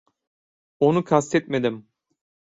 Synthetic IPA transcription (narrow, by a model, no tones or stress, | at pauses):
onukʰast̪ʰɛt̪̚med̪im